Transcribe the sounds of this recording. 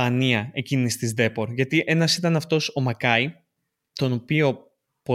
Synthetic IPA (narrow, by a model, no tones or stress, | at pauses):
ɐniɐe̞cinist̪izd̪e̞po̞ɾʝɐt̪iʔe̞nɐsit̪ɐnɐft̪o̞so̞mɐkɐi | t̪o̞no̞pio̞ | po